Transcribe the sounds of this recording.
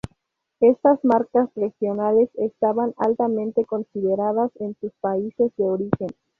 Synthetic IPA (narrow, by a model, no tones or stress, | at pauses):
e̞st̪azmaɾkasre̞xjo̞nale̞sest̪aβana̰lt̪amẽnt̪e̞ko̞nsiðeɾaðase̞nsuspaise̞zd̪eoɾixe̞n